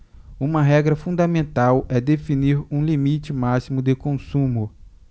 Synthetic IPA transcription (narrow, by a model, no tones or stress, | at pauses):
ũmɐɦɛɡɾɐfũnd̪ɐmẽnt̪awɛd̪efiniɾũlimit͡ʃɪmasimʊd̪ekõsũmʊ